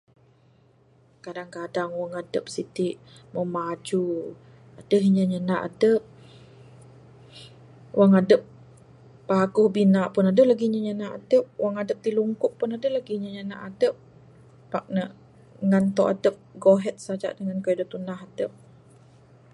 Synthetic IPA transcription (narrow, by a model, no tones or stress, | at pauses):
kadaŋkadaŋwaŋadəp̚sit̪iʔməmad͡ʒu | adəɦiɲəɲənaʔa̰dəp̚ | wʔaŋadəp̚ː | aɡʊhbinaʔpʊnadəʔlaɡiɲəɲənaʔa̰dəp̚wʔaŋadəp̚t̪iluŋkʊʔ̚pːʊnadəlaɡiɲəɲəna̰ʔadəp̚ː | ak̚nə | ŋant̪oʔadəp̚ɡoɦɛt̪̚sad͡ʒa̰ʔdəŋankajidət̪unaɦadəp̚